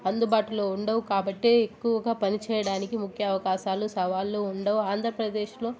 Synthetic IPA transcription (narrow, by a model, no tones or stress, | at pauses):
ɐnd̪ubaːʈulo̞ːuɳɖɐʋukaːbɐʈːeekːuʋɐɡaːpɐnit͡ʃɛːjɐɽaːnikimukʰjɐːʋɐkaːʃaːlusɐʋaːlːoːuɳɖɐʋuaːnd̪ʱɾɐpɾɐd̪e̞ːʃlo̞ː